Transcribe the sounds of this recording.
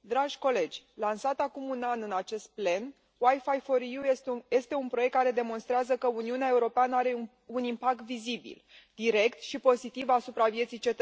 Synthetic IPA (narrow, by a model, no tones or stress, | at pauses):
d̪ɾaʒʲko̞le̞d͡ʒʲlansat̪akumunanɨnat͡ʃe̞st̪̚ple̞n | wajfajfoɾjuje̞st̪e̞unpɾo̞jek̚t̪kaɾe̞d̪e̞mo̞nst̪ɾeazəkəuniuneae̞uɾo̞peanəaɾe̞ | unimpak̚t̪vizibḭld̪̥iɾe̞kt̪ʃipo̞zit̪ivasupɾavje̞t̪sijt͡ʃe̞t̪ə